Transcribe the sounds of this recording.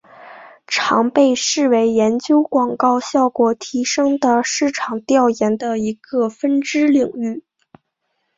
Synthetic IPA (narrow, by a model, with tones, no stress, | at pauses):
ʈ͡ʂʰɑ˧˥ŋpe˥˧ɪʂɻ̩˥˩we˧˥ɪjɛ˧˥nt͡ɕjo˥ʊkwɑ˨˩ŋkɑ˥˧ʊɕjɑ˥˩ʊkwɔ˨˩t̪ʰi˧˥ʂɤ˥ŋd̪ə˨ʂɻ̩˥˩ʈ͡ʂʰɑ˨˩ŋt̪jɑ˥˩ʊjɛ˧˥nd̪ə˧i˧˥ɡə˧fə˥nʈ͡ʂɻ̩˥li˨˩ŋy˥˩